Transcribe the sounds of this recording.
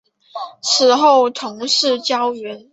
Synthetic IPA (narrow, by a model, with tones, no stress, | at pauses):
ʂʰɻ̩˨˧˥xo˥˩ʊt̪ʰʊ˧˥ŋʂɻ̩˥˩t͡ɕjɑ˥ʊɥɛ˧˥n